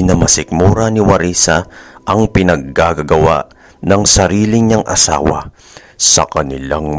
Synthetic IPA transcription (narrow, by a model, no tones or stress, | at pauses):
nɐmɐsɪk̚muːɾɐnɪwɐɾisaʔɐŋpɪnɐɡ̚ːaɡɐɡɐwa̰ʔ | nɐŋsɐɾiːlɪɲaŋʔɐsa̰ːwɐ̰ | sɐkɐnɪlaŋ